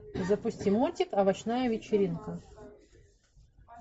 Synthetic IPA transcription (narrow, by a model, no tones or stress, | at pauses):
zɐpʊsʲtʲimotʲɪkɐbɐt͡ɕnajəvʲɪt͡ɕɪɾʲinkʊ